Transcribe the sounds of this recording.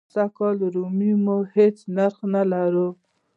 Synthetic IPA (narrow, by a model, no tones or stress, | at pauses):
sakɑlɾumimohet͡snaɾxnalaɾu